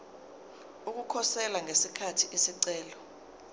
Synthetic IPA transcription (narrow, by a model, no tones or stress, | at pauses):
uk̬ukʰɔsɛlaŋesikʰatʰiisiǀɛːlɔ